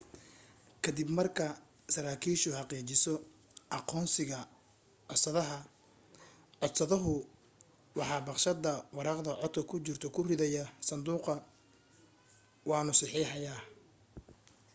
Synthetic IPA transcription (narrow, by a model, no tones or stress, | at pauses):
kʰɐd̪ɪbmɐrkʰɐ | sɐɾaːkʰiːʃʊhɑqiːt͡ʃɪsɔ | ʔɑqɔːnsɪɣɐ | sɐðɐɦɐ | ɔd̪sɐðɐɦʊ | wɑħɑːbɑqʃɐd̪ɐwɑɾɑːqd̪ɐʕɔt̪kʰɐkʰʊt͡ʃɪrt̪ʰɔkʰʊrɪðɛjɐsɐnd̪uːqɐ | wɑːnʊsɑħiːħɑjaː